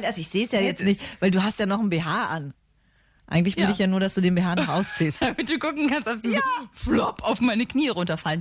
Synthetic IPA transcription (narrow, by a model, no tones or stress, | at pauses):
nʔalzoɪçz̥eːsjaːjɛt͡stnɪçtvaɪlduːɦastjaːnɔχn̩beːɦaːʔan | ʔa̰ɪŋ̩tlɪçvɪdɪɪçjaːnuːɐdasd̥uːdeːnbeːɦaːnɔχʔaʊst͡siːstd̥amɪt̚d̥uːkʊkŋ̩kanstɔpz̥iflɔpaʊfmaɪnəkn̥iːəʁʊntɐfalən